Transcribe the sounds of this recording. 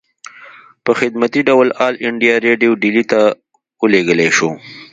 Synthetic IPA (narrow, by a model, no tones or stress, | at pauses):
pəxɪd̪mat̪iɖawlɑːlɪɳɖijaɾeɖijoɖilit̪a | oleɡəleʃo